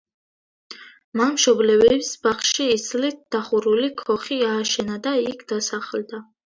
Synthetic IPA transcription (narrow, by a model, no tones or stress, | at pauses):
manmʃɔblɛvɛpsbaχʃiːslit̪̚d̪̥aχuɾulikʰɔχiaːʃɛnad̪aikʰd̪̥asaχld̪a